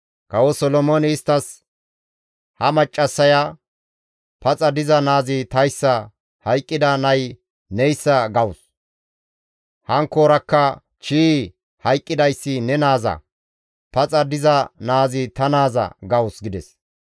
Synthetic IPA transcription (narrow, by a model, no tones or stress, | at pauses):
kɐwɔsɔlɔmoːnɪːst̪ːɐs | hɐmɐt͡ʃʼːɐsːɐja | pɐt͡sʼɐd̪ɪzɐnaːzɪt̪ɐjsːɐ | hɐjkʼːɪd̪ɐnɐj | nɛjsːɐɡɐwʊs | hɐŋkːoːɾɐkːɐ | t͡ʃiː | hɐjkʼːɪd̪ɐjsːɪnɛnaːzɐ̰ | pɐt͡sʼɐd̪ɪzɐnaːzɪt̪ɐnaːzɐ̰ɡɐwʊsɡɪd̪ɛs